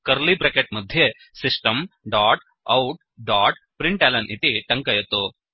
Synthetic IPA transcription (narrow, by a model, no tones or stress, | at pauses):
kɐɾlibɾekeʈ̚mɐd̪ʱje | sisʈɐmɖaːʈ | ɐ̰wʈ̚ | ɖaːʈpɾiɳʈeːlɐnʔit̪iʈɐŋkɐjɐt̪ːu